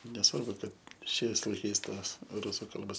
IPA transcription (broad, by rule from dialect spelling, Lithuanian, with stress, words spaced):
nʲɛˈsʋɐrbʊ ˈkɐt ˈʃʲɛɪs lˠɐɪˈkɐɪs ˈtoːs ˈrʊsʊ ˈkɐlˠboːs